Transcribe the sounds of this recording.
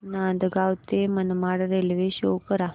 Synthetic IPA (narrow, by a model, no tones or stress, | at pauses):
nand̪ɡawt̪emənmaɽɾelʋeɕokəɾa